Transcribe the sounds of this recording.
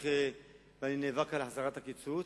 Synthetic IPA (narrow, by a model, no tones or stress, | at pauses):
χe | baninevakalħazaʁat̪hakit͡su